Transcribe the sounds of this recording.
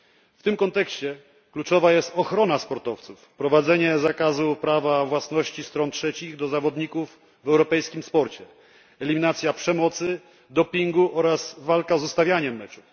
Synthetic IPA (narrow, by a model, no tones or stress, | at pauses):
ft̪ɘmkɔnt̪ɛkɕt͡ɕɛ | klut͡ʂɔvajɛst̪ɔxɾɔnaspɔɾt̪ɔft̪sufpɾɔvad̪zɛɲɛzakazupɾavavwasnɔɕt͡ɕist̪ɾɔntʂɛt͡ɕiɣd̪ɔzavɔd̪ɲikuvː | ɛwɾɔpɛjskʲimspɔɾt͡ɕɛ | ɛlʲimʲinat̪sʲjapʂɛmɔt̪sɘ | d̪ɔpʲiŋɡuʔɔɾasvalkazust̪avʲjaɲɛmːɛt͡ʂu